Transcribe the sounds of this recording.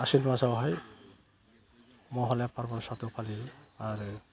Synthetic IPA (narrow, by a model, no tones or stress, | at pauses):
asinpasawɦɔj | mɔɦɔlɛpaɹbɔnsat̪upʰaliaɹ